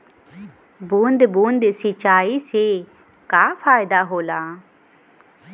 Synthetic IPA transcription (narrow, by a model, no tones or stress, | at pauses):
buːnd̪buːnd̪sɪt͡ʃaːiseː | kaːpʰaːɪd̪aːɦoːlaː